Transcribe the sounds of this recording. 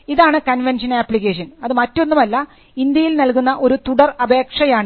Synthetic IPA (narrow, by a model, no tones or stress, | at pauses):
iðaːɳɨkɐnʋenʂɐnaːpːlikːeːʂɐnɐðɨmɐtːo̞nːumɐlːɐ | ind̪jɐjilnɐlkunːɐʔo̞ɾut̪uɽɐrɐbʱe̞ːkʂɐjaːɳɨ